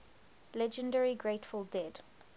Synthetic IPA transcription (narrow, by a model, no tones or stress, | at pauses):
lɛd͡ʒə̃ndɛɹiɡɹeɪtfəlˠdɛd̥